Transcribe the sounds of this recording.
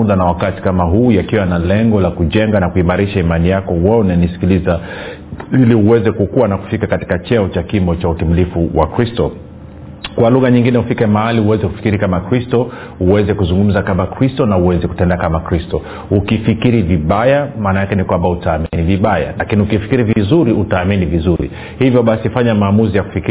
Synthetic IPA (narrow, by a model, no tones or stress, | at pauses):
uɗanawakati̥kamaɦuːjakiwanalɛŋɡɔlakuʄɛŋɡanakuimaɾiʃaimanijakɔwaɔnanisi̥kiliza | iliuwɛzɛkukuwanaku̥fikakati̥kat͡ʃɛɔt͡ʃakimbɔt͡ʃautimilifuwa̰kɾistɔ | kwaluɣaɲiŋɡinɛufikɛmahaliuwɛzɛku̥fi̥kiɾikamakɾistɔ | uwɛzɛkuzuŋɡum̩zakamakɾistɔnauwɛzɛku̥tɛndakamakɾistɔ | ukifikiɾiviɓajamaːnajakɛnikwambautaːminiviɓaja̰lakiniukifi̥kiɾivzuɾiʔutaːminivizuɾḭ | hivjɔɓasifaɲamaːmuzijaku̥fiki